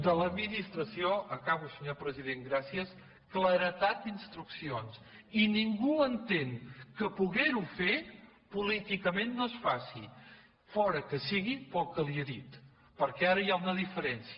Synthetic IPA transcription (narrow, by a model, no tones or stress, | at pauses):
d̪ələd̪minist̪ɾəsioəkaβusəɲopɾəziðeŋɡɾasiəs | kləɾət̪at̪̚d̪inst̪ɾuksions | iniŋɡuənt̪eŋkəpuɣeɾufe | pulit̪ikəmenːosfasḭ | fɔɾəkəsiɣipəlˠkəlieðit̪ | pəɾkɛaɾəjaunəðifəɾɛnsiə